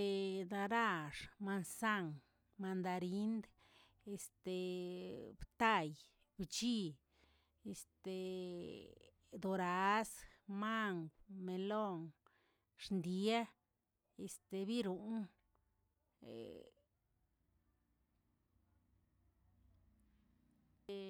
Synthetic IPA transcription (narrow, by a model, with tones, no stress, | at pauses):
e˧d̪a˧ɾa˦˧ʂma˧nsa˦˧ŋ | ma˧nd̪a˧ɾi˦nd̪ | e˨st̪e˨˧ | bt̪a˦˧j | b̥t͡ʃi˦˧ | e˨st̪e˨˧ | d̪o˧ɾa˨˧˦sma˦ŋɡme˨lo˦˨ŋ | ʂnd̪i˧a˦ | e˨st̪e˧bi˦ɾu˨n | ḛ